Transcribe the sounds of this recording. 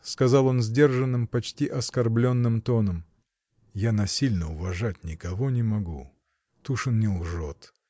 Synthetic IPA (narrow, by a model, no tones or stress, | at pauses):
skɐzɑlˠo̞nzʲdʲe̞rʐɨnːɨmpɐt͡ɕtʲiʔɐskɐrblʲo̞nːɨmt̪o̞nəm | janɐsʲilʲnəʊvɐʐatʲnʲɪkɐvonʲɪmɐɡu | t̪uʂɨnnʲɪlˠʐot̪